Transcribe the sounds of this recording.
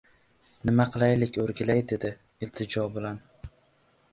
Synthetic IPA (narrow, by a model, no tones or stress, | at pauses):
nɪmaqʰɨlˠajlɪkʲʰɵɾɡʲɪlajd̪e̞d̪ɪ | ɪlt̪ʰɪd͡ʒɒbɪlan